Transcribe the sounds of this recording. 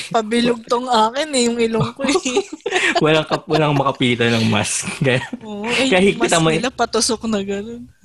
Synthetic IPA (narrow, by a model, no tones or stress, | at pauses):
pɐbɪlʊɡ̚t̪oŋʔaːkɪnɛjʊŋɪloŋko | wɐlɐŋkɐwɐlaŋmɐkɐpiːt̪onɐŋma̰skːɐjanoʔʔɛkaahiɡ̪̚ɪt̪ːɐmɐlɐpɐt̪ʊsok̚nɐɡɐnon